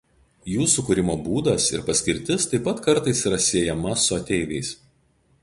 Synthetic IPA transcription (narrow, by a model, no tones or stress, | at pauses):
juːsʊkʊɾʲɪmoːbuːd̪ɐsɪ̰ɾpɐsʲkʲɪɾʲt̪ʲɪst̪ɐɪpːɐt̪kɐɾt̪ɐɪsiːɾɐsʲiɛjɛmɐsʊɐt̪ʲɛɪʋʲɛɪs